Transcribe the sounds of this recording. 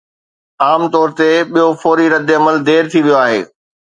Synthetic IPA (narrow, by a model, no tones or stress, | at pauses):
aːmt̪ɔːɾt̪eɓijofɔːɾiɾɐd̪ɪɐməld̪eːɾt̪ʰiʋijoaːɦḛː